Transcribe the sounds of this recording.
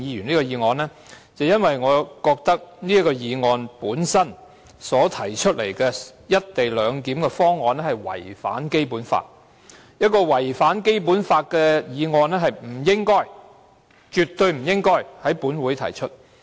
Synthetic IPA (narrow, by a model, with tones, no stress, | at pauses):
jiː˨˧jyː˨˩niː˥kɔː˧jiː˨˧ŋɔː˨˧nlɛː˥ | t͡sɐ˨wjɐ˥nwɐ˨jŋɔː˨˧kɔː˧k̚t̪ɐ˥k̚niː˥kɔː˧jiː˨˧ŋɔː˨˧npuː˨˥nsɐ˥n | sɔː˨˥t̪ʰɐ˨˩jt͡ʃʰɵ˥t̚lḛ˨˩jkɛː˧jɐ˥t̚t̪e˨jlœː˨˧ŋkiː˨˥mkɛ˧fɔː˥ŋːɔː˨˧nɛ˥hɐ˨˩jwɐ̰˨˩jfa̰ː˨˥nke˥jpuː˨˥nfa̰ː˧t̚ | jɐ˥t̚kɔː˧wɐ˨˩jfaː˨˥nke˥jp̬uː˨˥nfaː˧t̚kɛː˧jiː˨˧ŋɔː˧nlɛ˥ɦɐ˨jm̩˨˩jɪ˥ŋkɔː˥j | t͡ʃy˨t̪ɵ˧jm̩˨˩jɪ˥ŋkɔː˥jhɐ˨˥jpuː˨˥nwuː˨˥jt̪ʰɐ̰˨˩jt͡ʃʰɵ˥t̚